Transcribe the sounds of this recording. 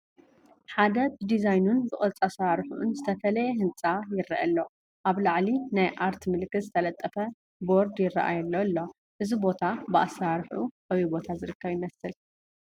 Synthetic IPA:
ħad̪ɐbɨd̪izajnunbɨχʼɐt͡sʼasɾaɾħʔunzɨt̪ʰɐfɐlɐjɛhɨnt͡sʼajɪrːɐʔɐlːo̞ | ʔaβlaʕlinajʔaɾt̪mɨlkːɨt̪zɨt̪ʰɐlɐt̪ʼːɐfɐ | bo̞ɾd̪jɪrːɐ̰ʔa̰jɛlːolːo̞ | ʔɨzibo̞t̪ʰabɨʔasaɾħuʔawibo̞t̪ʰazɨɾɨkʰːɐβjɪmɐsɨl

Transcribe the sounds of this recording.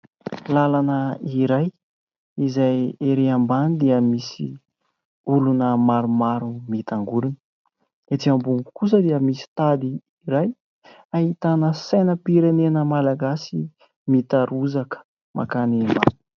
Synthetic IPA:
lalanəiɾaj | izajeɾeambanid̪iəmisḭ | ulunəmaɾumaɾumit̪aŋɡuɾinə̥ | et̪iambuŋku̥kus̬əd̪iəmisi̥t̪ad̪iː | ɾaj | aɦit̪anəsajnəpiɾenenəmalaɡasi | mit̪aɾuzakə̥ | mʔa̰kanimba̰nu̥

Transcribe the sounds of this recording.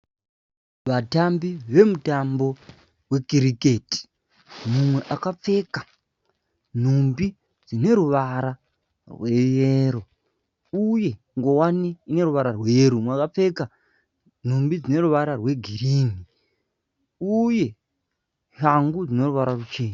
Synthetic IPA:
ʋatambiʋe̞mutambo̞ | we̞kiɾike̞ti̥ | mumwe̞ʔakap͡fe̞ka | n̤umbi | d͡zine̞ɾuʋaɾa | rwe̞jeːɾo̞ | uje̞ | ŋɡo̞waniːne̞ɾuʋaɾarwe̞jeɾumwakap͡fe̞ka | n̤umbid͡zine̞ɾuʋaɾarwe̞ɡʱiriːni | uje̞ | haŋɡud͡zino̞ruʋaɾarut͡ʃe̞ːɲa

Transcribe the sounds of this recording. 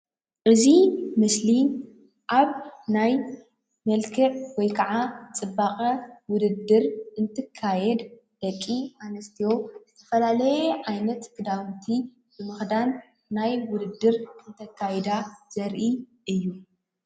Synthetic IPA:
ʔɨzimɨsli | ʔaβnaj | mɐlkʰɐʕwɔjkʰɐʕat͡sʼɨbakʼɐwʊd̪ɨd̪ːɨɾɨnt̪ʰɨkʰːajɛd̪ | d̪̥ɐkʼːiʔanɐst̪ʰijo̞zɨt̪ʰɐ̥fɐlalɐjɛʕajnɐt̪kʰɨd̪awnt̪ʰi | bɨmɨxd̪an | najwʊd̪ɨd̪ːɨɾɨnt̪ʰɐkʰːajɛd̪az̥ɐɾʔiʔɨjːu

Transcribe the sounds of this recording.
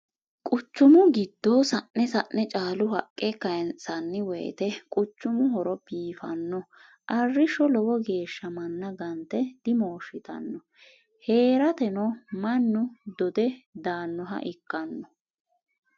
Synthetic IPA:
kʼʊt͡ʃːʊmʊɡɪd̪ːoːsɐʔːɛsɐʔnɛt͡ʃʼaːlʊhɐkʼːɛkɐjɛnt͡sʼːɐnːɪwɛj̰t̪ɛkʼʊt͡ʃːʊmʊɦɔɾɔbiːfɐ̰nːɔ | ʔɐrːɪʃɔlɔwɔɡe̞ːʃːɐmɐnːɐɡɐnt̪ɛd̪̥ɪmoːʃɪt̪ɐ̰nːɔ | he̞ːɾɐt̪ɛnɔmɐnːʊd̪ɔd̪ɛd̪aːnːɔɦɐ̰ʔɪkːɐnːɔ

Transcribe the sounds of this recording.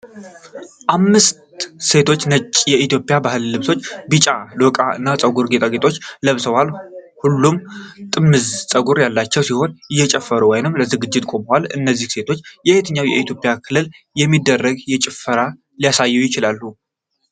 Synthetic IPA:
ʔamːɨst̪se̞t̪ʰo̞t͡ʃːnət͡ʃʼːjɛit̪ʰjo̞pʼɪjabahɨlːɨβso̞t͡ʃːbɨt͡ʃʼalwɔkʼaɨ̰nːat͡sʼəɡuɾɡet̪ʼaɡet̪ʼʰo̞t͡ʃːləβsəwalhulːumt̪ʼɨmːɨzsʼəɡuɾjalːat͡ʃːɛwsiho̞nɨjːɛt͡ʃʼɛfːəɾuwɔjnɨmləzɨɡɨd͡ʒːɪt̪ʼkʼo̞məwalɨ̰nːəzːihse̞t̪ʰo̞t͡ʃːjɛhet̪ʰɨɲːawjɛ̰ʔit̪ʰjo̞pʼjakʰɨlːɨl | jɛmːid̪ːərːəɡjɛt͡ʃʼɪfəɾa | lijasajːujɪt͡ʃɪlalːu

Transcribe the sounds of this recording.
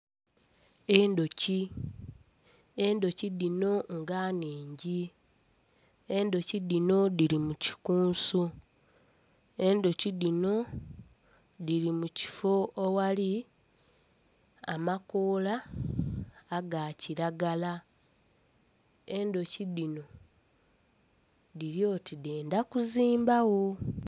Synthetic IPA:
endo̞ci | endo̞ciðino̞ŋɡaːniːɲɟi | e̞ndo̞ciðino̞ðiɾimuci̥kuːnsu | e̞ndo̞ciðino̞ | ðiɾimuci̥fo̞ːwali | amakoːla | ɡaciɾaɡala | e̞ndo̞cidino̞ | ðiɾjo̞ːtideːndakuziːmbawo̞

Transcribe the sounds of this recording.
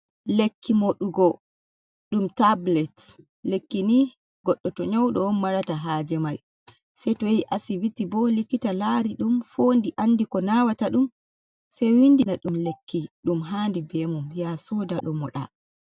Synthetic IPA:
lekʰːimoɗuɡɔ | ɗumtablɛt | lekːini | ɡɔɗːɔtɔɲɔwɗɔɔmːaɾataɦaːd͡ʒɛmaj | sɛjtɔjejʔasiwitːibɔlikːitalaɾiɗumfoːndiʔanːdikɔnawataɗum | sɛjwindinaɗumlekːiɗumɦaːndibɛmumjasɔdaɗɔmɔɗa̰

